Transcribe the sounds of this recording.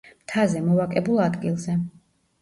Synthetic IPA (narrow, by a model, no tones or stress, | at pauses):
mt̪ʰazɛmɔvakʼɛbulˠad̪ɡilˠzɛ